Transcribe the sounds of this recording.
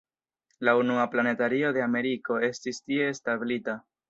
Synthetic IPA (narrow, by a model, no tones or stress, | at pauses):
launuaplane̞taɾio̞de̞ame̞ɾiko̞e̞stistie̞stabilita